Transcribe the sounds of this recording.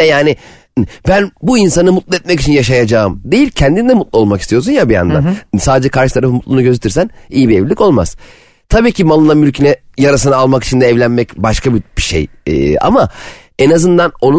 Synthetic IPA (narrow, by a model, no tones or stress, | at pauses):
ɛjaːnɪ | bænbuinsanɯmut̪lˠɯɛt̪̚mɛcit͡ʃʰinjaʃajad͡ʒaːɯmd̪e̞jilʲcʰɛnd̪inid̪ɛmut̪̚lˠuo̞lˠmakist̪ʰijo̞s̬unjabija̰nd̪a̰nsaːd̪ed͡ʒɛkʰaɾʃɯt̪ʰaɾafɯmut̪lˠunuɟø̞zet̪ʰiɾsænijibievlʲico̞lˠmaz̥ | t̪ʰabiːcʰimalˠɯnːˠamylʲcʰinɛjaɾas̬ɯnaalˠmakit͡ʃʰind̪ɛːvlʲænmɛcbaʃkʰabibiʃḛj̰ːa̰ma | enazɯnd̪ano̞nu